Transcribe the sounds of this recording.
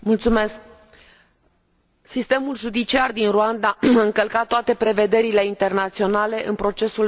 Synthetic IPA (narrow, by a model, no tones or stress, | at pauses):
mult̪sume̞sk̚ | sist̪emulʒud̪it͡ʃiard̪inruand̪aaɨŋkəlkat̪ːoat̪e̞pɾe̞ve̞d̪e̞ɾile̞int̪e̞rnat̪sio̞nale̞ʔɨnpɾo̞t͡ʃe̞sul